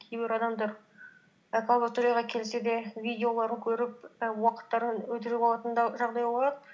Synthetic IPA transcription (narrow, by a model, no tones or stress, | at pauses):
kʲʰejbɪɾɑd̪ɑmd̪ɑɾ | kʰlˠbet̪oɾijɑʁɑkʲʰe̞lɪsed̪e̞vʲijd̪eo̞lˠɑɾəŋkʲʰɵɾɪp̚əwɑqə̥t̪ːɑɾənwɵt̪ɪɾɪpʰɑlˠɑt̪ənd̪ɑʒɑʁd̪ɑjbolˠɑd̪ə